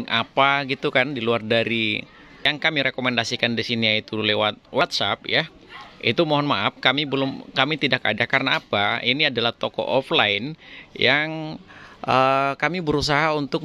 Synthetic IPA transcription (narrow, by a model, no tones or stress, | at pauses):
ŋʔapaɡit̪ukandiluardaɾi | jaŋkamiɾekomendasikandisiniait̪ulewat̪̚wat̪̚sap̚ja | ḭt̪umoɦɔnmaap̚kamibəlʊmkamit̪idaka̰dakarnaːpainiadalaht̪okɔ̰ʔɔflaɪnjaŋʔəkamibəɾus̬aɦaunt̪ʊk̚